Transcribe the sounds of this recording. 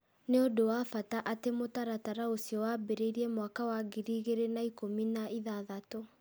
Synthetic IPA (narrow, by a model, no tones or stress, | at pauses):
neodowafataʔatemotaɾataɾaosjɔwabeɾeiɾiɛmwakawaɡiɾiːɣeɾenaikominaʔiðaðato